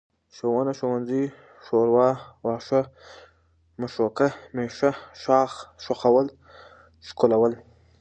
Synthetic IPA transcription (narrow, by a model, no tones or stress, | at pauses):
ʃowanaʃowanzi | ʃoɾwɑːwɑːʂa | maʃokameʃaʃɑːxʃoxawəl | ʂkolawəl